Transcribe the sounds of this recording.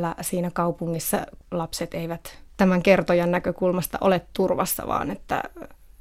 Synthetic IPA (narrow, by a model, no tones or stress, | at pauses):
lːæsiːnækɑupuŋːisːɑ̰lɑpset̪eiʋæt̪t̪æmæŋkert̪ojɑnnækøkulmɑst̪ɑ̰ʔolet̪t̪urʋɑsːɑ̰ʋɑ̰ːnet̪ːæ̰